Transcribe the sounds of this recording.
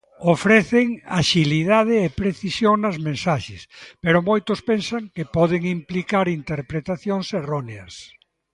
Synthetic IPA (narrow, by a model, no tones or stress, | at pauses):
ofɾɛθeŋa̰ʃiliðað̞ɪːpɾeθisjoŋnɐzmẽnsaʃɪspeɾʊmojt̪ʊspensɐŋkepɔðeŋimplikaɾint̪eɾpɾet̪aθjoŋserɔneɐs